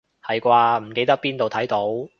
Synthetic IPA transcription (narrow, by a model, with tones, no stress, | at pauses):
hɐ˨jkʷaː˧m̩˨˩ke˧jt̪ɐ˥k̚piː˥nt̪o˨wt̪ʰɐ˨˥jt̪o˨˥w